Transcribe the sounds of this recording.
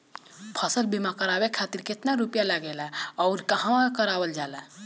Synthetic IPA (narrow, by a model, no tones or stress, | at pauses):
pʰəsəlbimakəɾabekʰat̪iɾket̪naɾupjalaɡɛlaɔːɾkəɦãkəɾawəld͡ʒaːla